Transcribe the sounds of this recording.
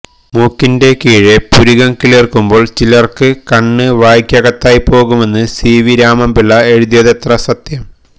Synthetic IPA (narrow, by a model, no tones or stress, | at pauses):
muːkːinde̞kiːɻepuɾiɣɐŋkilerkːumbo̞ːɭt͡ɕilɐrkɨkɐɳːɨʋaːjkʲːjɐɣɐt̪ːaːjipo̞ːɣume̞nːɨsiːʋiɾaːmɐmbilːɐe̞ɻuðjɐðɐt̪rɐsɐt̪jɐm